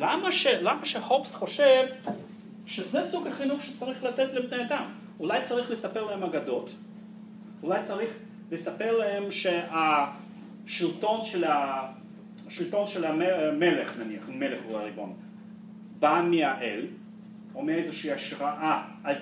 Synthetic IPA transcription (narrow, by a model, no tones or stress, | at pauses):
lamaʃelamaʃehopsχo̞ʃev | ʃezesuɡhaχinuχʃet͡saʁiχlat̪etlebnead̪am | ulajt͡saʁiχlesapeʁlahemaɡad̪o̞t | ulajt͡saʁiχ | lesapeʁlahe̞mʃea | ʃilto̞nʃela | ʃilto̞nʃelamemeleχnaniaχme̞leχulaʁibo̞̰n | bamiaʔel | omeejzeʃiiːaʃʁaʔaː | l